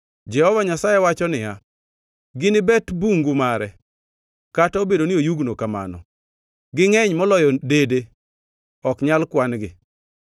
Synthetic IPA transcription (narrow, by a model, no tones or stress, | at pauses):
d͡ʒɛhɔvaɲasajɛwat͡ʃɔnɪa | ɡɪnɪbɛtbuŋɡumaɾɛ | kataobedoniojuɡnokama̰nɔ̰ | ɡɪŋɛɲmɔlɔjɔdede | ɔkɲalkwanɡɪ